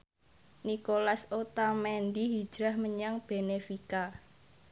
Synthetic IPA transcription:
nikolasot̪amɛnd̪iɦid̥d͡ʒ̥ɾahməɲaŋb̥e̤nefika

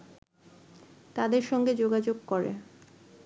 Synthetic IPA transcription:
t̪ad̪eɾʃɔŋɡed͡ʑoɡad͡ʑoɡ̚koɾḛ

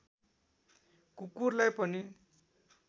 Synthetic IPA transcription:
kukurlajpʌni

